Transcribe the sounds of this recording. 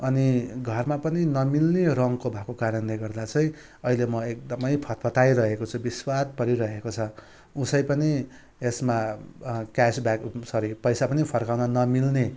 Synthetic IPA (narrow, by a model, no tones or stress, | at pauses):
ʌniɡʱʌrmapʌninʌmilnerʌŋkobʱakokaɾʌnleɡʌrd̪at͡sʰʌj̃ | ʌilemʌek̚d̪ʌmʌjpʰʌt̪pʰʌt̪ajɾʌɦekot͡sʰubiswat̪̚pʌɾiɾʌɦekot͡sʰʌ | usʌjpʌni | esma | kasbaksʌɾipʌjsapʌnipʰʌrkawnʌnʌmilne